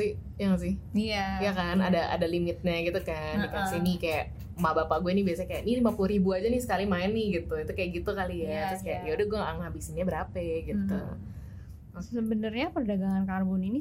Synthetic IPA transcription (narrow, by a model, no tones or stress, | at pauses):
sɪh | jaŋs̬ɪhajakanadaʔa̰dalimɪt̪̚ɲaɡit̪ukankajasɪhnɪkajaʔ | mabapaɡuɛnibiasaɲkajaʔnilimapuluɾibuad͡ʒanɪsə̥kalimaɛnːɪhɡit̪uɡit̪ukajaʔɡit̪ukalijat̪ɾʊskajaʔjaudəhɡuɛaŋhabisiɲɲabəɾapɛɡit̪ṵ | səbənərɲapərdaɡaŋankarbʊnini